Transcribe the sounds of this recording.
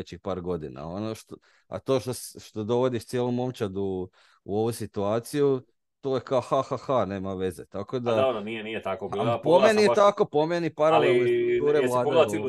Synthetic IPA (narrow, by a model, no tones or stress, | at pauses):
et͡ɕixpaːɾɡo̞d̪ina̰onoʃt̪o | a̰t̪o̞ːʃt̪osʃt̪od̪o̞ʋo̞d̪iʃt̪sjeːlˠomo̞mt͡ʃad̪uː | o̞ʋusit̪uaːt̪siju | t̪oːjekaoxaxaxane̞ːmaʋe̞zet̪ako̞d̪aaɾonieniet̪akoaipomeniet̪ako̞po̞me̞nipaɾalelˠnest̪ɾukt̪uːɾelˠaːd̪ea